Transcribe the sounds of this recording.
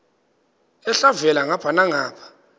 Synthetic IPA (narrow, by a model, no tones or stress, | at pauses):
ɛɬavɛlaŋapʰanaŋaːpʰḁ